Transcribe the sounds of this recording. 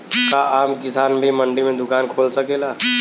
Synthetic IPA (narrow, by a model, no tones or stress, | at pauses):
kaaːmkɪsaːnbʱimɐ̃ɳɖimẽd̪ʊkaːnkʰoːlsɐkeːlaː